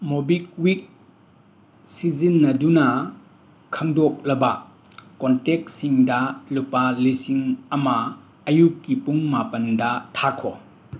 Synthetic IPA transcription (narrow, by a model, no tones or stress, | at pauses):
mobik̚wik̚ | sizinːɐdunɐ | kʰɐŋdɔk̚lɐba | kɔntɛk̚siŋdɐlupalisiŋɐmaː | jukːipuŋmapɐndɐtʰakʰɔ